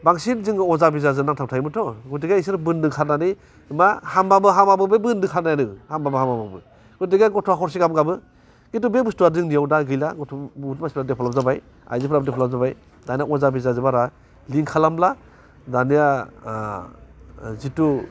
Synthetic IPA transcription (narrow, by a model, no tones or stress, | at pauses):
baŋsinziŋɔzabizazɯnaŋtʰawtʰajmɯtʰɔɡutiɡajisɯɾbɯndɯkʰanani | mahambabɯɦamabɯbɯbɯndɯkʰanajnɯhambabɯhamababɯ | ɡutiɡajɡɔtʰɔakʰɔɾs̬iɡabɯɡabɯ | kitubebustuaɾzɯŋnijawdaɡɯjlaɡɔtʰɔtmaspʰɾadepʰɔlapzabaj | a̰jzipʰɾabdepʰɔlap̚zabaj | danijaɔzabizazɯbaɾa | liŋkʰalamla | danija | zitu